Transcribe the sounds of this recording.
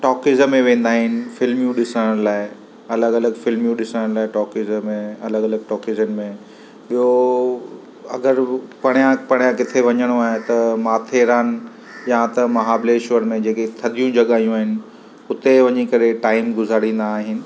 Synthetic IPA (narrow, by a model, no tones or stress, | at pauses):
ʈɔːkɪzəmːẽʋẽːnd̪aːɦɪnɪ̆fɪlmijũɗɪsəɽəɽ̃laːɪ | ɐləɡɐləɡfɪlmijũɗɪsəɽə̃ɽ̃laːɪʈɔːkɪzəmẽɐləɡɐləɡ̚ʈɔːkɪzənɪ̆mẽ | ɓijo | ɐɡəɾpɐɽ̃jãpɐɽ̃jãkɪt̪ʰeʋɐɲəɽ̃oaːɦet̪ɐmaːt̪ʰeːɾaːn | jãt̪ɐmɐɦaːbleːʃʊʋəɾmẽd͡ʑeːket̪ʰɐɗ̪ʱijũd͡ʑɐɠaːijũaːɦɪnɪ̆ | ʊt̪eʋɐɲikɐɾeʈaːɪmɡʊzʱaːɽĩːn̆d̪aːɦɪnɪ̆